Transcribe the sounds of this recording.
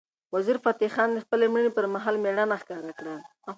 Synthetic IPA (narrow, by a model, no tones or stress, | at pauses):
waziɾfat̪ixɑnd̪əxpəlemɽənepəɾmaɦɑlmeɽanaxkɑɾakɽa